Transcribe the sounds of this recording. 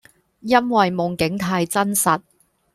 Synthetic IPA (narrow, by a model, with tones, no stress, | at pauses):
jɐ˥nwɐ˨jmʊ˨˩ŋkɪ˨˥ŋt̪ʰaː˧jt͡sɐ˥nsɐ˨t̚